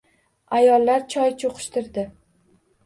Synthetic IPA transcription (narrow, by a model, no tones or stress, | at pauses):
ajɒlˠːaɾt͡ʃʰɒjt͡ʃʰoqʰʊ̥ʃt̪ɪɾd̪ɪ